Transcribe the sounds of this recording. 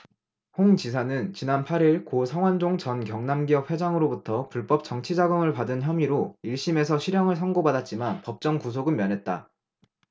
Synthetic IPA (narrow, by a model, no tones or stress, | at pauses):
hoŋt͡ɕis̬ʰanɯnt͡ɕinanpʰaɾiɭkosʰaŋwand͡ʑoŋt͡ɕʌnkjʌŋnamɡiʌp̚ʰwe̞d͡ʑaŋɯɾobutʰʌpuɭp͈ʌp̚t͡ɕ͈ʌŋt͡ɕʰid͡ʑaɡɯmɯɭpadɯnçjʌmiɾoiɭɕ͈ime̞sʰʌɕʰiɾjʌŋɯɭs̬ʰʌŋɡobadat̚t͡ɕ͈imanpʌp̚t͡ɕ͈ʌŋkus̬ʰoɡɯnmjʌnɦe̞t̚t͈a̰